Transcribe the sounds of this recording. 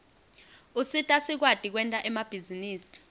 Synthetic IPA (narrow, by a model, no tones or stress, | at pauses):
usitʼasik̬wad̥ʱʼik̬wɛntʼaʔɛmab̥ʱiziniːsi̥